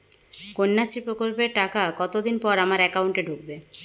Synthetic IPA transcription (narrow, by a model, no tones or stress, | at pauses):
konːaʃipɾokolpeɾʈakakɔt̪od̪inpɔɾamaɾɛkawɳʈeɖʱuk̚be